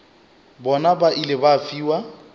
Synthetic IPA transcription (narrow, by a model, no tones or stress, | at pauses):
bɔnabaʔilɪbafiːwa